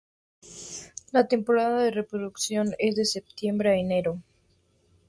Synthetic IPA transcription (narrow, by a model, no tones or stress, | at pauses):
lat̪e̞mpo̞ɾaðaðe̞re̞pɾo̞ðuksjo̞ne̞zðe̞se̞p̚t̪je̞mbɾeaene̞ɾo